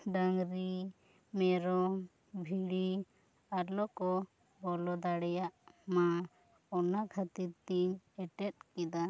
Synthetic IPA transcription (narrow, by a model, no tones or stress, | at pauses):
ɖaŋɾi | mɛɾɔ | bʱiɽi | aɾlɔkɔ | bɔlɔd̪aɽɛjaʔma | ɔnakʰat̪iɾt̪iɲɛʈɛt̪̚kɛd̪a